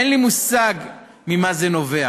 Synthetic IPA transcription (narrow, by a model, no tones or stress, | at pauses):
ɛnlimusaɡ | mimazeno̞vea